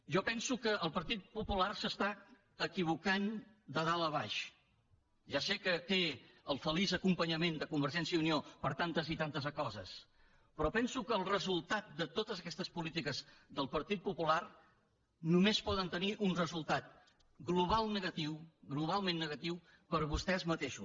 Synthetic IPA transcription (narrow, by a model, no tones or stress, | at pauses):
ʒɔpɛnsukəʔəlˠpəɾt̪it̪̚pupularsəst̪a | əkiβukan | d̪əðaləβaʃ | ʒasekət̪eəlˠfəlizəkumpəɲəmend̪əkumbəɾʒɛnsjəuniopəɾt̪ant̪əzit̪ant̪əzəkɔzə̰s | pɾɔpɛnsukəːlˠrəzulˠt̪at̪̚d̪ət̪ot̪əzəkɛst̪əspulit̪ikəzðəlˠpəɾt̪it̪̚pupular | numespɔðənt̪əniʔunrəzulˠt̪at̪̚ | ɡluβ̞alˠnəɣət̪iwɣluβ̞alˠmẽnːəɣət̪iw | pəɾβust̪ɛzmət̪eʃṵ